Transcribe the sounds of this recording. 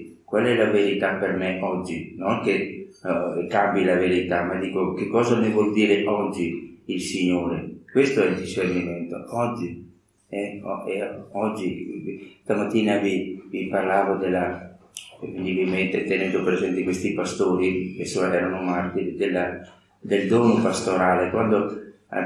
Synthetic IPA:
kwalɛlaveɾit̪apermeʔɔd͡ʒːinoŋke | kambilaveɾit̪amad̪iːkokekːɔːzamivwɔld̪iːɾeʔɔd͡ʒːiilsiɲoːɾekwest̪oɛld̪iʃerniment̪o̰ɔd͡ʒːi | ɛɔɛɔd͡ʒːist̪amat̪ːiːnaviviparlaːvod̪elːa | vend̪ibilment̪et̪enɛnd̪opɾezɛnt̪ekwest̪ipast̪oːɾipesoɛːɾanomart̪id̪ela | d̪eld̪ɔːnopast̪oɾaːlekwand̪o

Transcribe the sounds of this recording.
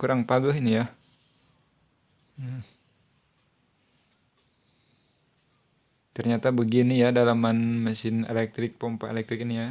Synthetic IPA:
kuɾaŋpaɡaɦinija | t̪ərɲat̪abəɡinijadalamanmasɪnḛlɛk̚t̪ɾɪk̚pɔmpa̰ḛlɛk̚t̪ɾɪkinija

